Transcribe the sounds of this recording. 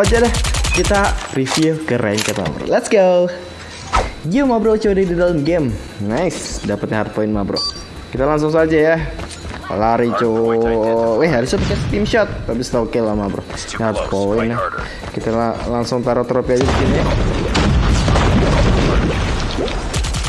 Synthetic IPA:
ad͡ʒadɛhkit̪arifikəɾʔa̰nkat̪a̰ma̰bɾo̰lɛt̪sɡo | ɡəmabɾot͡ʃodɛdidaləmɡɛm | naɪsdapət̪̚aɦat̪̚poɪnmabɾo̰ | kit̪alaŋs̬ʊŋs̬ad͡ʒaja | laɾit͡ʃo | wɛaɾisop̪akɛst̪imʃɔt̪̚ːapist̪akɛlamabɾo̰ | ɦat̪̚poɪn | kit̪aalaŋsʊŋt̪aɾot̪ɾopiad͡ʒabikina

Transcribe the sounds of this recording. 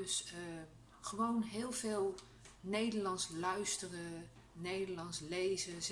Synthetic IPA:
sə | χəʋownɦɪːlˠveːlˠ | nejdəɹlɑnslœɥstərə | nejdəlɑnslejzəz

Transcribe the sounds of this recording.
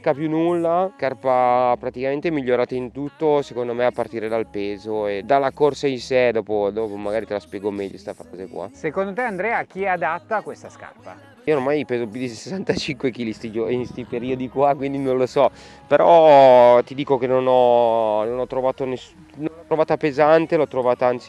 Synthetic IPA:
kapjunːulːaskarpapɾat̪ikament̪emiʎːoɾaːt̪aint̪ut̪ːosekond̪omeapːart̪iːɾed̪alpeːzoed̪alːakorsainsed̪ɔːpod̪ɔpomaɡaːɾit̪elaspjɛːɡomɛʎːost̪afɾaːzekwa̰sekond̪ot̪eand̪ɾɛːak̟iɛad̪at̪ːakwest̪aska̰rpa | iormajpeːzopjud̪issesant̪at͡ʃiŋkwek̟iːlist̪id͡ʒoinst̪jpeɾiod̪ikwakwind̪inõnlosɔ | peɾʔɔt̪id̪iːkok̟enonɔnonɔt̪ːɾovaːt̪ones | nonɔt̪ːɾovaːt̪apezant̪elɔt̪ːɾovaːt̪aant̪si

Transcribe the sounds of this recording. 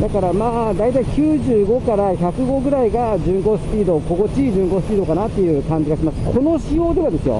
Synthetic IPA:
d̪akaɾamaːd̪ait̪aikʲɨːʑɨːɡo̞kaɾaçakɯ̟ɡo̞ɡɯ̟ɾaiɡad͡ʑɨ̃ŋko̞ːsɨ̥pʲiːd̪o̞ko̞ɡo̞t͡ɕiːʑɨ̃ŋko̞sɨ̥pʲiːd̪o̞kanat̪ːe̞jɯ̟ːkãɲ̟d͡ʑiɡaɕimaɨ̥kʰo̞no̞ɕijo̞ːd̪e̞βad̪e̞sɨjo̞̰

